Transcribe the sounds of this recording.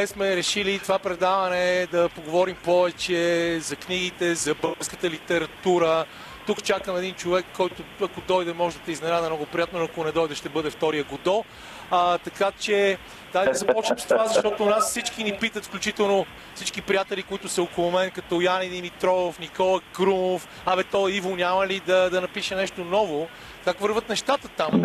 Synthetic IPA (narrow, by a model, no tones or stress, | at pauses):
ɛsmɛɾɛʃilit̪ovapɾɛd̪avɐnɛd̪ɐpoɡovɔɾimpɔvɛt͡ʃɛzɐkniɡit̪ɛzɐbɤlˠɡəɾskə̥t̪əlit̪ɛɾɐt̪uɾə | t̪ukt͡ʃakəmɛd̪int͡ʃovɛkʰːɔjt̪ʊɐkod̪ɔjd̪ɛmɔʒɛd̪ɐt̪ɛiznɛnazɛnoɡopɾijat̪nonoɐkonɛd̪ɔjd̪ɛʃt̪ɛbɤd̪ɛft̪ɔɾijəɡod̪ɔ | t̪ɐkat͡ʃɛ | d̪̥ajd̪ɐzɐpɔt͡ʃnəmst̪ovazɐʃt̪ɔt̪onasfsit͡ʃkinipit̪ət̪fklʲut͡ʃit̪ɛlˠno | fsit͡ʃkipɾijat̪ɛlikoit̪ʊsɐokolˠʊmɛnkɐt̪ɔjanid̪imit̪ɾɔofnikɔlˠəkɾumof | ɐvɛt̪ɔivonʲaməlid̪ɐd̪ɐnɐpiʃɛnɛʃt̪onɔvʊ | kakvəɾvət̪nɛʃt̪at̪ət̪am